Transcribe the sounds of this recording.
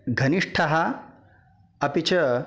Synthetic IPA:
ɡʱɐniʂʈʰɐɦɐ | ɐpit͡ʃɐ

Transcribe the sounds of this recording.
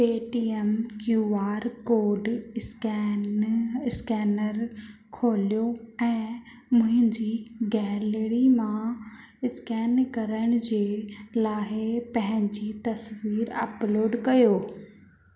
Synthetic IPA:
peːʈiːemkjuːaːɾkoːɖskː | ɪskɛːnəɾ | kʰoːlijoɛ̃ː | mʊ̃ɦɪ̃ɲd͡ʑiɡɛːlɽimã | ɪskɛːnkɐɾəɽ̃ʊ̆d͡ʑeːlaːɦɪpɐ̃ɦɪ̃ɲd͡ʑit̪ɐsʋiːɾɐ̰ploːɖkɐjoː

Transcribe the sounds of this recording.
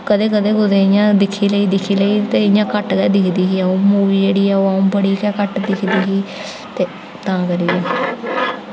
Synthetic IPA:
kəd̪eːkəd̪eːkʊd̪eːɪjãːd̪ɪkʰːiːləiːd̪ɪkʰːiːləiːt̪eːɪjãːkəʈkɛːd̪ɪkʰd̪iːɦiːɛːoːmuːʋiːd͡ʒeːɽiːɛːoːaũːbəɽiːkɛːkəʈd̪ɪkʰd̪iːɦiː | t̪eː | t̪ãːkəɾiːɛː

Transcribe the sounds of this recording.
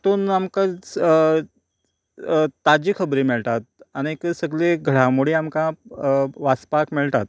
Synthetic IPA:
t̪uːnamka | t̪ad͡ʑiːkʰəbɾiːmiɭt̪at̪̚aɽ̃ikəsəɡleɡʱəɽamuɽiːamkã | ʋaspakmiɭt̪at̪̚

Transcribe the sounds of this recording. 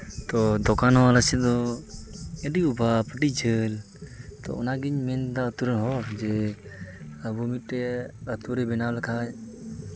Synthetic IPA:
t̪ɔd̪ɔkanɦɔaləsɛd̪ɔ | ɛɖiubʱapəʈid͡ʒəl | t̪ɔ̰ɔ̰naɡiɲmɛnd̪aət̪uɾənɦɔd͡ʒɛ | əbumitɾɛət̪uɾɛbɛnawlakʰaj

